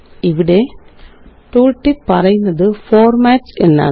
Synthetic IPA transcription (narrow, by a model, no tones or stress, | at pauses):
ɪʋɪɽeː | ʈ̪uːlʈːipːɐɾɐɪnd̪ɐðɯfoːɾmaːʈsɛnːa̰ː